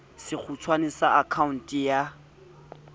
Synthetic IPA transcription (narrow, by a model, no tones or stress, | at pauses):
sɪk͡xʰut͡sʰwanɪsaʔakʰaun̩tʼija